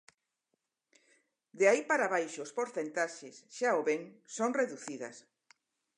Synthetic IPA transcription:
d̪eaipaɾaβ̞ajʃoːspoɾθent̪aʃesʃaoβeŋsoŋreðuθiðɐ̰s

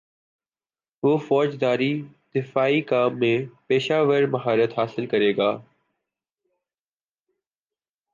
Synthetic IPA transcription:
ɦoːfɔːd͡ʒd̪aːɾid̪̥ɪfaːikaːmːẽpeːʃaːʋəɾmɐɦaːɾət̪ɦaːsɪlkɐɾeːɡaː

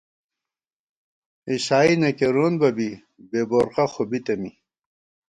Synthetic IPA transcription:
iɕaːinɐkeɾunbɐbi | beːboːɾqaxobit̪ɐmi

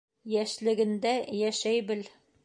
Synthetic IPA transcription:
jæʃlɘ̆ɡɘ̆nd̪æjæʃæjbɘl

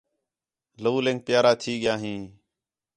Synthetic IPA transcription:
ləʋuːlẽːŋk̚pɪjaːɾaːt̪ʰiːɠɪjaːɦĩː

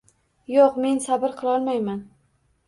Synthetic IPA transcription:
joqme̞nsabɪɾqʰɨlˠɒlˠmajman

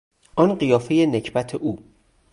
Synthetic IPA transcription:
ʔɒnɢijɒːfe̞jenecʰbæt̪ʰeʔuː

